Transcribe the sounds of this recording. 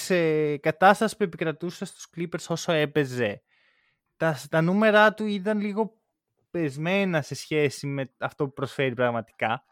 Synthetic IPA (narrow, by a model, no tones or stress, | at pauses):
sekɐt̪ɐst̪ɐsi̥pue̞pikɾɐt̪usest̪u̥sklipe̞ɾso̞so̞e̞pe̞ze̞ | t̪ɐt̪ɐnume̞ɾɐt̪uiðɐnliɣo̞ | pe̞zme̞nɐse̞sçe̞sime̞ɐft̪o̞pupɾo̞sfe̞ɾipɾɐɣmɐt̪i̥kɐ